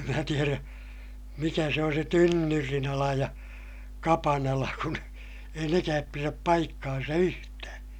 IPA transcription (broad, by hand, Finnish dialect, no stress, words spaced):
em mæː tieræ mikæ se on se tynːyrinɑlɑ jɑ kɑpɑnɑlɑ kun ei nekæːp piræp pɑikːɑːnsɑ yhtæː